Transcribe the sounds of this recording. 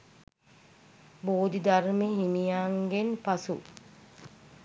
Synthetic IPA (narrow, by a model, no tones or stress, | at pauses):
boːd̪id̪aɾmeɦinijaːŋɡenpasṵ